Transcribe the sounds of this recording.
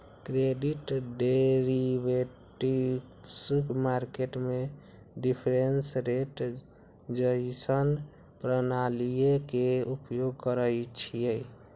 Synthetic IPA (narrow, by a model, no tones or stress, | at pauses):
kɾeɖiʈɖeɾibe | ʈi | smaɾkeʈme | ɖipʰɾensɾeʈ | d͡ʒəɪsən | pɾənalijekeupjoɡkəɾəjt͡ʃʰije